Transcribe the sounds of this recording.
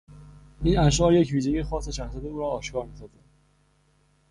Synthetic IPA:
ʔiːnæʃ̬ʔɒːɾje̞cviːʒejexɒːseʃæxsæd̪euːɾɒːʃkɒːɾmisɒːzæ

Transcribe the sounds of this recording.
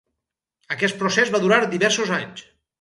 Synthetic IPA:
əkɛst̪pɾosɛzβaðuɾaɾd̪iβɛɾsozaɲs

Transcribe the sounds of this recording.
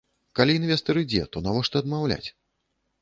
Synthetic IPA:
kalʲiːnvʲɛst̪ɐɾɨd͡zʲɛ̰t̪ɔnavɔʂt̪ɐɐd̪mawlʲa̰t͡sʲ

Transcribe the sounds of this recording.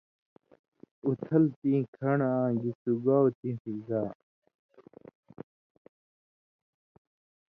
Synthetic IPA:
ut̪ʰɐlt̪ĩːkʰɐɳãːɡisuɡawt̪ĩːpʰiɡaː

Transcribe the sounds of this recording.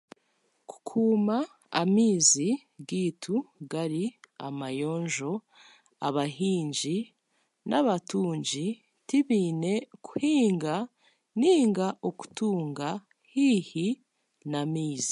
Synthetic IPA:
ku̥kʰuːma | a̰miːzi | ɡiːtʰuɡaɾia̰majo̞ːɲʒo̞ | a̰βaɦiːɲɟi | naβatuːɲɟi | tiβiːne̞ku̥hiːŋɡa | niːŋɡaʔoku̥tuːŋɡa | hihi | namiːzi̥

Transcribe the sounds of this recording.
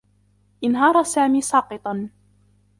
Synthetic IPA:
ʔɪnɦɑːɾˤɑsaːmiːsˤɑːqɨt̪ˤɑn

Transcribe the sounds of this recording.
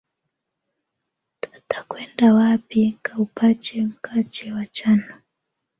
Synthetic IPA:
tḁtḁkwɛndawapikaupʰat͡ʃɛm̩kʰat͡ʃɛwat͡ʃana

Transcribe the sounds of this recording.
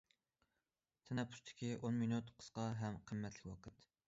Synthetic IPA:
t̪ʰɛnɛpʰːʊ̥ʃt̪ʰɪ̥kʲiʔonminut̪qʰə̥sqɑɦɛmqʰəmːɛt̪ʰlɪkʲwɑqʰət̪

